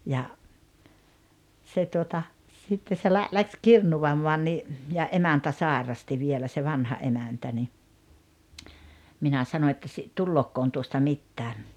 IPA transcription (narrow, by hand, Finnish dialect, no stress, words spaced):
jɑ se tuotɑ sitːe se læ læks kirnuʋɑmːɔɑn ni jɑ ʔemæntæ sɑˑerɑsti ʋielæ se ʋɑnhɑ ʔemæntæ ni minæ sɑno etːæ si tulːoːkːoːn tuostɑ mitːæː